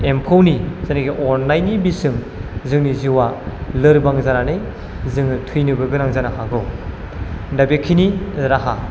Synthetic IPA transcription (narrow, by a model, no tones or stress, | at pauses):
empʰownizaniɡiʔɔɾnajnibisɯŋ | zɯŋniziwalɯɾbaŋzananɯj | zɯŋnɯtʰɯjnɯbɯɡɯɾaŋzanahaɡɯw | dabekʰiniɾaɦa